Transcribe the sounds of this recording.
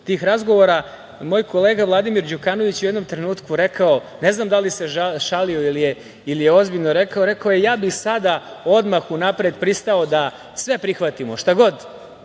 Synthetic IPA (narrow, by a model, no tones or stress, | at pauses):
t̪iːxɾazɡo̞ʋo̞ɾa | moːjko̞le̞ːɡaʋlˠad̪imiɾd͡ʑukaːno̞ʋit͡ɕujed̪no̞mt̪ɾe̞nuːt̪kuɾe̞kao | ne̞znaːmd̪alise̞ʃalio̞ilije | ilijeo̞zbiʎnoɾe̞kaoɾe̞kaojejaːbixsad̪ao̞d̪maxunapɾed̪pɾist̪ao̞d̪a | sʋe̞pɾixʋat̪imoʃt̪aɡod̪